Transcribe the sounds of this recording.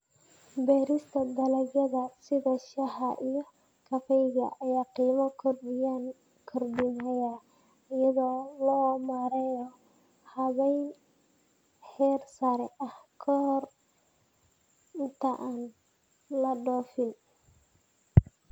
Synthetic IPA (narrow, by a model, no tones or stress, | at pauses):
bɛːɾɪst̪ʰɐd̪ɐlɐɡjɐðɐsɪðɐʃɐhɐʔijɔ | kʰɐfɛjɣɐ̰ʔɐjaːqiːmɐkʰɔrɪjan | kʰɔrdɪnɐja | ɪjɐðɔːlɔːmaɾɛjɔ | hɐβɛjn | ħɛːrsɐɾɛ̰ʔɐhkʰɔhr | nt̪ʰɐʔaːn | lɐɖɔːfɪn